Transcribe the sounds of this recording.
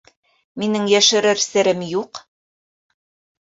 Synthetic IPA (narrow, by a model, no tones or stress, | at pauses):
minɘŋjæʃɘ̆ɾɘɾsɘ̆ɾɘmjuq